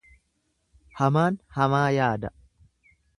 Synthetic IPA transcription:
hɐmaːnhɐmaːjaːd̪ɐ

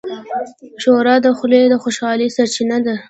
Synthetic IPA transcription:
ʃoɾɑd̪əxled̪əxoʃɑlisaɾt͡ʃinad̪a

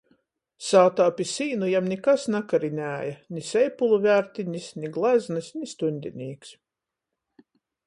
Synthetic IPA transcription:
saːt̪aːpʲisiːnujamnʲikasnakaɾinʲæːjanʲisɛjpulˠuvʲæɾt̪ʲiɲisnʲiɡlˠæznɨsnʲist̪unʲd̪ʲḭnʲiːks

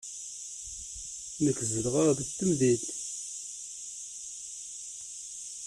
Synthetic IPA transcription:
nəkːzəlʁaʁðəçt̪ːəmðil

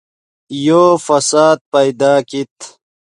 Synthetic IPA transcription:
joːfɐsaːd̪̚pɐjd̪aːkit̪

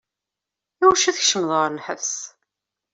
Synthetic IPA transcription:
iwʃæθəçʃəmðˤəɾnħə̰vs

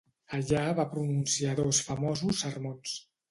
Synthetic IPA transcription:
əʎaβapɾununsiaðɔsfəmɔzusːərmons

